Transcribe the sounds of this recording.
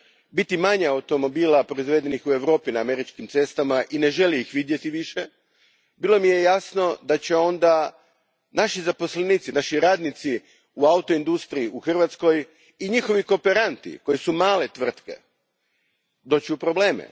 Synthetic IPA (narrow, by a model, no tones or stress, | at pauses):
bit̪imaɲaawt̪o̞mo̞biːlapɾoizʋe̞ːd̪e̞nixue̞ʋɾo̞ːpinaːme̞ɾit͡ʃkimt̪se̞st̪amaʔine̞ʒe̞liːxʋid̪je̞t̪iʋiʃe | bilˠo̞mije̞jasno̞d̪at͡ɕe̞o̞nd̪a | naʃizapo̞sleniːt̪sinaʃiɾaːd̪nit̪si | uaut̪o̞ind̪ust̪ɾiiuxr̩ʋat̪sko̞j | iɲixo̞ʋiko̞peɾant̪ḭko̞jisumaːle̞t̪ʋr̩t̪ke̞̰ | d̪o̞ːt͡ɕiupɾoble̞ːmḛ